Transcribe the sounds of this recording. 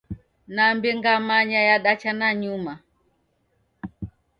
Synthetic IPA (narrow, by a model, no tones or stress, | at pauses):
nambiŋɡamaɲajaɗat͡ʃanaɲuma